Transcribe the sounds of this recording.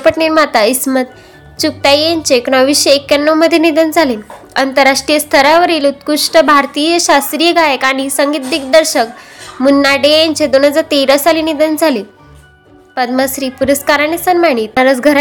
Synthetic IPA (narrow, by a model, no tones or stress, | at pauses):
pəʈniɾmat̪aismət̪ | t͡ɕuk̚t̪ajeɲt͡ɕeknɔʋiɕjəekjanːəwməd̪ʱːjenid̪ənd͡zʱalin | ənt̪əɾaʂʈɾijəst̪ʰəɾaʋəɾiːlut̪kuʂʈəbʱaɾt̪iːjəɕast̪ɾijəɡajekaɽ̃isəŋɡiːt̪̚d̪ik̚d̪əɾɕəkmunːaɖejaɲt͡ɕed̪on̤ad͡zat̪eɾəsalinid̪ənd͡zʱali | pəd̪məsɾiːpuɾəskaɾanesənmaɽ̃it̪aɾət͡sɡʱəɾ